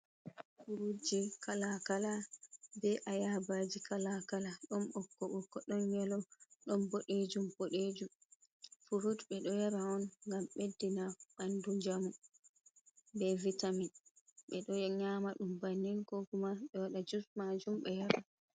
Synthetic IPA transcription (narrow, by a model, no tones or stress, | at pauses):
fuɾud͡ʒikʰalakalabɛʔajabad͡ʒikalakalaɗɔnɓɔkːɔɓɔkːɔɗɔnɲɛlɔɗɔnboɗed͡ʒumboɗed͡ʒum | fuɾudɓɛɗɔjaɾaɔnŋɡamɓedːinaɓandud͡ʒamu | bɛvitaminɓɛɗɔɲamaɗumbanːiŋkɔɡumaɓɛwaɗad͡ʒusmad͡ʒumɓɛjaɾa